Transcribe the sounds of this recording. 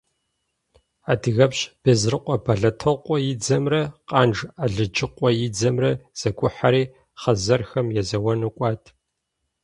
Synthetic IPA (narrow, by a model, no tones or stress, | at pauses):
aːdɨɣɐpɕʼb̥ezrɨqʷʼɔbɐɮɐtʰɐqʷʼɔjɪd͡zɐmrɐqʼɑːnʒaɮɨd͡ʒʼɪqʷʼɔjɪd͡zɐmrɐz̥ɐɡʷʰʊħaɾiː | χɐzɐrxɐmjɛzɐwɐnɨkʷʼɑːtʰ